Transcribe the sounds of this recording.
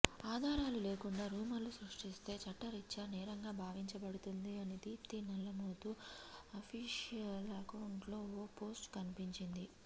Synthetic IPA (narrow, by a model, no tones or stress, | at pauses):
aːd̪ʱaːɾaːlule̞ːkuɳɖaːɾuːmɐlːusɾɐʂʈist̪e̞ːt͡ʃɐʈːɐɾit͡ʃːɐnɛːɾɐŋɡaːbʱaːʋiɲt͡ʃɐbɐɽut̪und̪iɐnid̪iːpt̪iːnɐlːɐmoːt̪uɐpʰiːʂijɐlɐkɐwuɳʈlo̞ːopo̞ːsʈkɐnipiɲt͡ʃind̪i